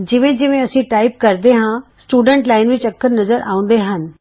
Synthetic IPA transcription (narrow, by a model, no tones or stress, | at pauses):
d͡ʒɪʋẽːd͡ʒɪʋẽːəsĩːʈaːiɪp̚kəɾd̪eːɦãːsʈuːɖəɳʈlaːɪnʋit͡ʃəkːəɾnəzəɾʔa̰ːʊ̃nd̪eːɦən